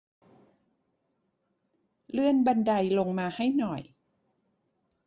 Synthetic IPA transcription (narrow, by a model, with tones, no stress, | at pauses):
lɯ˥˩ənba˧nda˧jlo˧ŋmaː˧ha˥˩jnɔ˨˩j